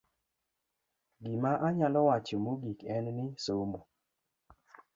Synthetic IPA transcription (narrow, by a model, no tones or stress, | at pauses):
ɡimaʔaɲalɔwat͡ʃɔmoɡikɛnnɪsomo